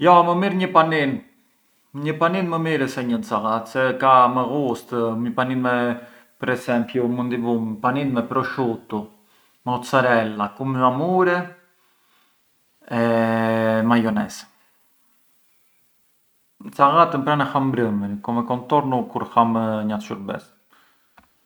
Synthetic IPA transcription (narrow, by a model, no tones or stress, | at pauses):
jɔməmiɾɲəpanin | ɲəpaninməmiɾəsɛɲənt͡saɣat̪sɛkaməɣust̪ɲəpaninmɛ | pəɾɛsɛmpjumənd̪ivumpaninmɛpɾɔʃut̪u | mɛɔt͡səɾɛlakumɛmamuɾɛ | ɛ | majɔnɛsɛ̥ | nt͡saɣat̪əmpɾanɛxambɾəmənkɔmɛkɔnt̪ɔɾnukuɾxaməɲaʃuɾbɛ̰s